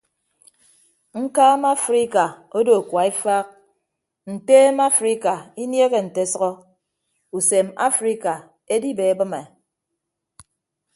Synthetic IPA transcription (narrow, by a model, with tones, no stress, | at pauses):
ŋ̩˦kaː˦ma˦fɾi˦ka˨o˦do˨kwa˨i˦fa˦k̚ | n̩˨teː˦ma˦fɾi˦ka˨i˦nje˦ɣe˨n̩˨te˨˦sʌ˦ɣɔ˦ | u˨se˨ma̰˦fɾi˦ka˨ | e˦di˦be˨e˦bɨ˦me˨